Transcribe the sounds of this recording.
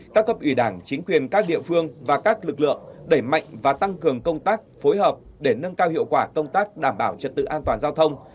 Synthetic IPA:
kaː˦˥k̚ːə˦˥p̚ʔwi˧˩ɗaː˧˩ŋt͡ɕï˨˦ŋ̟kwi˨˩ənkaː˦˥k̚ɗḭ˧˨əfɨ˧əŋvaː˨˩kaː˦˥k̚lɨ˨˩k̚lɨ̰˧˨əŋɗə˧˩jma̰˧˨jŋ̟vaː˨˩t̪a˧ŋkɨ˨˩əŋkə˧wŋ͡mt̪aː˦˥k̚fo˨˦jɦəː˨˩p̚ɗe˧˩nə˧nkaː˧whḭ˧˨əwkwaː˧˩kə˧wŋ͡mt̪aː˦˥k̚ɗaː˧˩mɓaː˧˩wt͡ɕə˨˩t̚t̪ɨ̰˧˨ʔaː˧nt̪waː˨˩nzaː˧wt̪ʰə˧wŋ͡m

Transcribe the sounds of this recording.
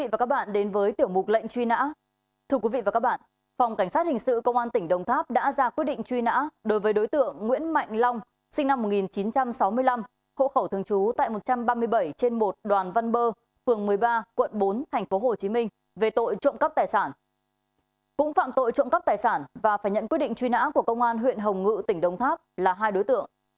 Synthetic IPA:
ḭ˧˨vaː˨˩ka˦˥ɓa̰ː˧˨nɗe˨˦nvəː˨˦jt̪i˧˩əwmʊ˨˩t̚lə̰˧˨jŋ̟t͡ɕwi˧na̰ː˧˥ | t̪ʰɨ˧əkwi˨˦vḭ˧˨va˨˩a˦˥k̚ɓa̰ː˧˨n | fa˨˩wŋ͡mka˧˩ŋ̟saː˦˥t̚hï˨˩ŋ̟sɨ̰˧˨kə˧wŋ͡mʔaː˧nt̪ï˧˩ŋ̟ɗə˨˩wŋ͡mt̪ʰaː˦˥p̚ɗa̰ː˧˥zaː˧kwt̚ɗḭ˧˨ŋ̟t͡ɕwi˧na̰ː˧˥ɗo˨˦jvəː˨˦jɗo˨˦jt̪ɨ̰˧˨əŋːwḭ˧˥ənma̰˧˨jŋ̟lɔ˧wŋ͡m | sï˧ŋna˧mːo˨˩t̚ŋi˨˩nt͡ɕi˨˦nt͡ɕa˧msa˨˦wmɨ˧əjla˧m | ho̰˧˨xə˧˩wt̪ɨ˧əŋt͡ɕu˨˦t̪a̰ː˧˨jmo˨˩t̚t͡ɕa˧mɓaː˧mɨ˧əjɓə˧˩jt͡ɕe˧nmo˨˩t̚ɗwaː˨˩nva˧nɓəː˧ | fɨ˨˩əŋmɨ˨˩əjɓaː˧kwə̰˧˨nɓo˨˦nt̪ʰɛ˨˩ŋ̟fo˨˦ɦo˨˩t͡ɕi˨˦mï˧ŋ̟ | ve˨˩t̪o̰˧˨jt͡ɕɔ̰˧˨ŋ͡mkə˦˥p̚t̪aː˨˩jsaː˧˩n | kʊ̰˧˥ŋ͡mfa̰ː˧˨mt̪o̰˧˨jt͡ɕɔ̰˧˨ŋ͡mkə˦˥p̚t̪aː˨˩jsaː˧˩nvaː˨˩faː˧˩jɲə̰˧˨nkwi˦˥t̚ɗḭ˧˨ŋt͡ɕwi˧na̰ː˧˥ku˧˩əkə˧wŋ͡mʔaː˧nɦwḭ˧˨ənɦə˨˩wŋ͡mŋɨ̰˧˨t̪ï˧˩ŋ̟ɗə˧˩wŋ͡mt̪ʰaː˦˥p̚laː˨˩ɦaː˧jɗo˨˦jt̪ɨ̰˧˨əŋ

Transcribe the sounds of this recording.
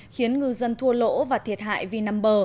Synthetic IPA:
xi˨˦ənŋɨ˨˩zə˧nt̪ʰu˧əlo̰˧˥vaː˨˩t̪ʰi˨˩ət̚ha̰ː˧˨jvi˧naː˧mɓəː˧˩

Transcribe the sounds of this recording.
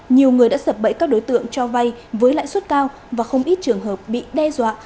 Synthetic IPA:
ɲi˨˩əwŋɨ˨˩əjɗa̰ː˧˥sə˨˩p̚ɓə̰˧˨jkaː˦˥k̚ɗo˨˦jt̪ɨ̰˧˨əŋt͡ɕɔ˧va˧jvəː˨˦jla̰ː˧˨jswə˦˥t̚kaː˧w | vaː˨˩xə˧wŋ͡mʔi˦˥t̚t͡ɕɨ˨˩əŋɦəː˨˩p̚ɓḭ˧˨ɗɛ˧zwa̰ː˧˨

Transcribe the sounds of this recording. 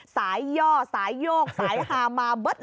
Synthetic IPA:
saː˧˨˦jzɔ˧saː˧˩˦jzo˧˩k̚saː˨˩˦jhaː˨˩maː˧˩ɓə˦˥t̚

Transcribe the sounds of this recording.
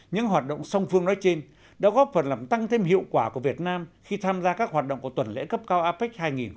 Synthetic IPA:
ɲɨ̰˧˥ŋɦwaː˨˩t̚ɗo̰˧˨wŋ͡msə˧wŋ͡mfɨ˧əŋnɔ˨˦jt͡ɕe˧n | ɗa̰˧˥ɣɔ˦˥p̚fə˨˩nlaː˨˩mt̪a˧ŋt̪ʰe˧mhḭ˧˨əwkwaː˧˩ku˧˩əvi˨˩ət̚naː˧mxi˧t̪ʰaː˧mzaː˧kaː˦˥k̚ɦwaː˨˩t̚ɗo̰˧˨wŋ͡mku˧˩t̪ə˨˩nlḛ˧˥kə˦˥p̚kaː˧wʔaː˧pi˦˥k̚haː˧jŋi˨˩n

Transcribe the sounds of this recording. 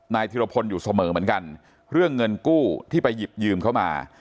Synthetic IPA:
naː˧jt̪ʰi˧ɾa˧pʰo˧njuː˨˩sa˧mɤː˩˦mɯ˩˦ənka˧n | ɾɯ˥˩əŋːɤ˧nkuː˥˩t̪ʰiː˥˩pa˧jːi˨˩p̚jɯː˧mkʰa˦˥wma̰ː˧

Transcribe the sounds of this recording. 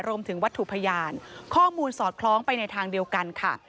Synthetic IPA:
ɾu˧mt̪ʰɯ˩˦ŋwa˦˥t̪ʰːu˨˩pʰa˧jaː˧nkʰɔː˥˩muː˧nsɔː˨˩t̪̚kʰlɔː˦˥ŋpa˧jna˧jt̪ʰaː˧ŋdi˧əwka˧nkʰa̰˦˥˩

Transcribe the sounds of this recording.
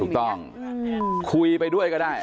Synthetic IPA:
u˨˩k̚t̪ɔ˥˩ŋ | kʰu˧jpa˧jdu˥˩əjkɔː˥˩daː˥˩j

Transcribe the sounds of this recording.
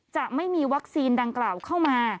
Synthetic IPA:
t͡ɕa˨˩ʔma˥˩jmiː˧wa˦˥k̚siː˧nda˧ŋklaː˨˩wkʰa˥˩wmaː˧

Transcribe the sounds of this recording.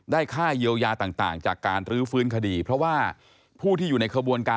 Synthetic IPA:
daː˥˩jkʰaː˥˩jiː˧əwjaː˧t̪aː˨˩ŋt̪a̰ː˨˩ŋt͡ɕaː˨˩kːaː˧nɾɯː˦˥fɯː˦˥nkʰa˧diː˧pʰɾɔ˦˥waː˥˩ | pʰuː˥˩t̪ʰiː˥˩juː˨˩na˧jkʰɾa˧bu˧ənkaː˧

